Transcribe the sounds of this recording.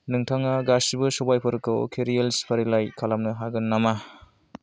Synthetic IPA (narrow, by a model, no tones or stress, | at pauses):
nɯŋtʰaŋaɡasibɯsɔbajpʰɔɾɯkʰːɯwkʰeɾijelspʰaɾilajkʰalamnɯɦaɡɯnːama